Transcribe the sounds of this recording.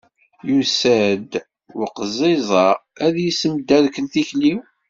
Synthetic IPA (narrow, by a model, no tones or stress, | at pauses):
jusæd̪ | ʊqəzˤezˤɑæðjisəmd̪ːæðkənθiçliw